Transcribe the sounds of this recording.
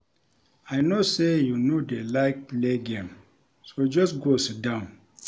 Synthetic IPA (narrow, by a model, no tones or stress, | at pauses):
aɪnosejunodelaɪk̚pleɡẽm | sod͡ʒɔsɡosit̚dãʊ̃n